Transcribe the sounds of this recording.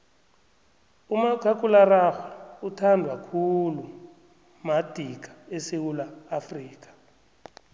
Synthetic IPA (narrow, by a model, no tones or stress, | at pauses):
umakʰakʼularaxwɛutʰandʱwakʰulu | mad̥ʱik̬ʰʼḁesewulaːfriːk̬ʼḁ